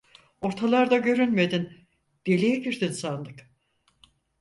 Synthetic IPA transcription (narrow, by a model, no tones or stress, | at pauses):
o̞ɾt̪ʰalˠaɾd̪aɟø̞ɾynme̞d̪in | d̪̥e̞lʲijeɟiɾd̪insanlˠɯk